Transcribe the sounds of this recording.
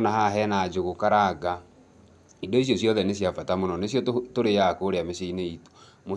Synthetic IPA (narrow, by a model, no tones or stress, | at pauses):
nahaɦɛnad͡ʒoɣokaɾaɡa | idɔis̬jɔsjɔðɛnesjafatamonɔnesjɔtoɾejakoɾeameʃeineito̥ | mo